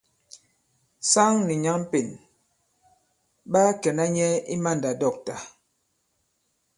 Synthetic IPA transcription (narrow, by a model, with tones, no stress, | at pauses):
sa˦ŋni˨ɲa˦ŋm˦pe˨n | ɓa˦kɛ˨na˦ɲɛ˦i˦ma˦˨nda˨dɔ˦˨k̚ta˨